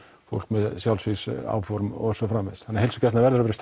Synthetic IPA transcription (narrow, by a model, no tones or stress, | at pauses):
fo̰wl̥kmɛðsjawlsvisa̰ːwfɔɾmɔ̰sɔfɾaːmːɪðsθanːahelsʏcas̬navɛɾʏɾvɛɾɪst̪